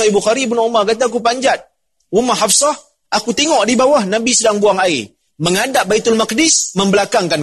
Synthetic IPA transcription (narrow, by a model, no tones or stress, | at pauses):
aibuxaɾibunumarkat̪̬ak̬up̬aɲd͡ʒat̪̚ | rumaɦafsah | ʔakut̪ɛŋɔʔdibawahnabisədaŋbuaŋai | məŋadaʔbait̪ʊlmak̚dɪsməmbəlakaŋkan